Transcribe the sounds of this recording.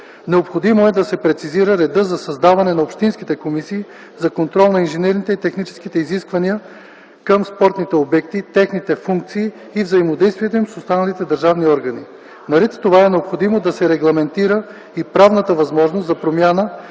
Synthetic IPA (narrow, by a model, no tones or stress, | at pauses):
nɛopxod̪imoɛd̪ɐsɛpɾɛt̪siziɾəɾɛd̪ɤzɐsɐzd̪avɐnɛnɐopʃt̪inskit̪ɛkomisiː | zɐkont̪ɾɔlˠnɐinʒɛnɛɾnit̪ɛit̪ɛxnit͡ʃɛ̥skit̪ɛiziskvɐniə | kəmspɔɾt̪nit̪ɛobɛkt̪it̪ɛxnit̪ɛfuŋk̚t̪siː | vzɐimod̪ɛjst̪vʲiɛt̪oimsost̪anɐlit̪ɛd̪əɾʒavniɔɾɡɐni | nɐɾɛt̪t̪ovaɛnɛopxod̪imod̪ɐsɛɾɛɡlˠɐmɛnt̪iɾə | ipɾavnət̪əvɐzmɔʒnost̪zɐpɾomʲjanə